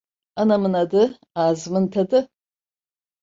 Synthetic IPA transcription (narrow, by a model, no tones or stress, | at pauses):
anɐmɨnɐdɨ | aːzmɨntʰɐdɨ